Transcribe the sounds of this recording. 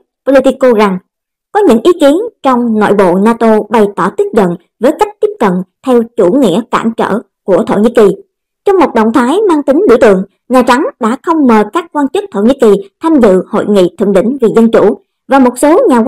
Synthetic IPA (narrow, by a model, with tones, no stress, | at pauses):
po˧lo˧t̪i˧ko˧za˨˩ŋ | kɔ˨˦ɲɨ̰˧˥ŋʔi˨˦ki˨˦ənt͡ɕɔ˧wŋ͡mna̰ː˧˨jɓo̰˧˨naː˧t̪o˧ɓa˧˩jt̪ɔ˧˩t̪i˦˥p̚zə̰˧˨n | vəː˨˦jka˦˥jk̟̚t̪i˦˥əp̚kə̰˧˨nt̪ʰɛ˧wt͡ɕu˧˩ŋḭ˧˥əka̰ː˧˩mt͡ɕə̰ː˧˨ | ku˧˩ət̪ʰo̰˧˩wɲi˧˥ki˨˩ | t͡ɕɔ˧wŋ͡mmo˨˩t̚ɗə̰˧˨wŋ͡mt̪ʰaː˨˦jmaː˧ŋt̪ï˨˦ŋ̟ɗḭ˧˩ət̪ɨ̰˧˨əŋ | ɲaː˨˩t͡ɕa˨˦ŋɗa̰ː˧˥xə˧wŋ͡mməː˨˩kaː˦˥k̚kwaː˧nt͡ɕɨ˦˥k̚t̪ʰo˧˩wɲi˨˥ki˨˩t̪ʰaː˧mzɨ̰˧˨ho̰˧˨jŋḭ˧˨t̪ʰɨ̰˧˨ŋɗï˧˨ŋ̟vi˨˩zə˧nt͡ɕu˧˩ | vaː˨˩mo˨˩t̚so˨˦ɲaː˨˩